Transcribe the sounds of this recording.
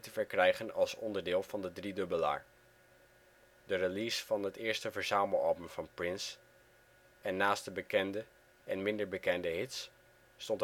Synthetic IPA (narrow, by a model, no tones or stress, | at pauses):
təvəɹkrɛjχənɑ̰lˠsɔ̰ndəɹdɪːlˠvɑndədridɵbəla̰ːɹ | dərəlisfɑnɦətɪːɹstəvəɹzaːməlɑ̰lˠbəmv̥ɑnprɪns | ɛnːaːst̚dəbəkɛndə | ʔɛnmɪndəɹbəkɛndəɦɪtsː | tɔnt